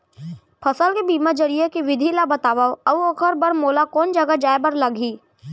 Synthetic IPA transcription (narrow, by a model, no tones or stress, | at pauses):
pʰɐsəlkebiːmad͡ʒɐɾijekiʋɪd̪ʱilabɐt̪aːʋaːoɐuokʰəɾbɐɾmoːlakɔːnd͡ʒɐɡad͡ʒaːebɐɾlɐɡʱiː